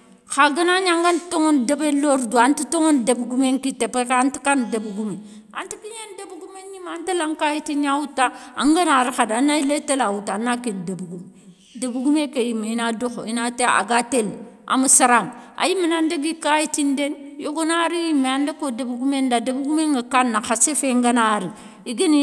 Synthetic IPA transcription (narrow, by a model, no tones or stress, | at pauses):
kaɡənaɲaŋɡantoŋondebeloɾduantitoŋondebɡumeŋkitepekntikandebɡume | a̰ntikiɲendebɡumenjimantelaŋkajitinawutːaa̰ŋɡanaɾixadanːailetelawutːanːakendebɡume | debɡumekejiminadoxo̰inatea̰ɡatelʔa̰musiɾaŋa̰jiminandeɡikajitindenjoɡonaɾijimːeandekodebɡumendadebɡumeŋɡakanːaxasefeŋɡanaɾi | iɡeni